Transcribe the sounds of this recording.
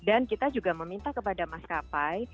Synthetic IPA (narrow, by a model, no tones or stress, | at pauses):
dankit̪ad͡ʒuɡaməmint̪ahkəpadamaskapaj